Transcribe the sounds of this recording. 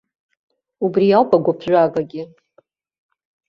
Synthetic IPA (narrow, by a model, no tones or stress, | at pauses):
ubrijawpʼaɡʷapʰʒʷakʼaɡʲɪ